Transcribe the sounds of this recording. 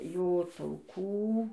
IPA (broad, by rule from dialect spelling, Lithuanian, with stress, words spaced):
ˈjoː tɐʊˈkuː